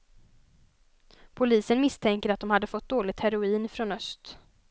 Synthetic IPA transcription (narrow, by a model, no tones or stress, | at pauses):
pʰʊliːsənmɪst̪ʰɛŋkəɾat̪̚d̪ɔmhad̪ːəfɔt̪̚ːd̪oːlɪɡ̚t̪hæɾʊiːnfɾoːnœst̪